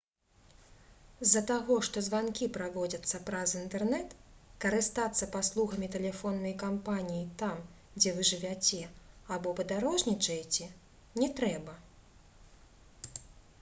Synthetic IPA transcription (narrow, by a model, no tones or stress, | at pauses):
zːɐt̪aɣɔʂt̪ɔzvankʲipɾavɔd͡zʲɐt̪sːɐpɾɐzint̪ɛrnɛt̪kɐɾɨst̪at̪sːɐpaslˠuɣɐmʲit̪ɛlʲɛfɔnːɐjkampanʲijit̪am | d͡zʲɛvɨʐɨvʲat͡sʲɛabɔpɐd̪aɾɔʐnʲit͡ʂɐjt͡sʲɛ | nʲɛt̪ɾɛbɐ